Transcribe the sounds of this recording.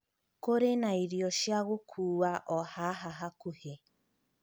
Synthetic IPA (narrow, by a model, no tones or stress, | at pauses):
koɾenaiɾjɔʃjaɣokʰuːwaʔɔhaɦaɦakuhe